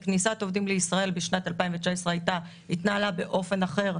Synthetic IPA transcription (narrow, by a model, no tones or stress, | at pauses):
knisat̪o̞vdimleisʁae̞lbiʃnat̪alpaiɱvet͡ʃaesʁeajta | it̪naːlabe̞ʔo̞fe̞naχe̞ʁ